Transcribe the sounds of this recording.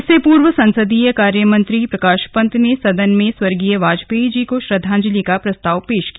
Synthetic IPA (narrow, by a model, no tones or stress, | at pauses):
sepuːɾʋəsɐ̃nsəd̪ijəkaːɾjəmɐ̃nt̪ɾipɾɐkaːʃpə̃nt̪nesɐd̪ənmẽswɐɾɡijəʋaːd͡ʒpeːd͡ʒikoʃɾɐd̪ʱːãːɲd͡ʒlikapɾɐst̪aːʋpeːʃkia